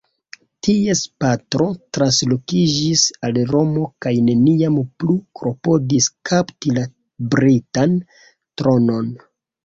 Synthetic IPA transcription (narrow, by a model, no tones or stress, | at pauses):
tiespatɾo̞tɾanslo̞kid͡ʒisalɾo̞mo̞kajne̞niamplukɾo̞po̞diskaptila | bɾitan | tɾo̞no̞n